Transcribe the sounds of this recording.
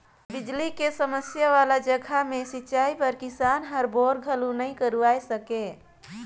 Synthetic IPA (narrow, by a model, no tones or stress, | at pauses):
bɪd͡ʒlikesəməsjaʋalad͡ʒəɡʱamesit͡ʃaipəɾkɪsanɦəɾboɾɡʱəlunəĩkəɾuaesəke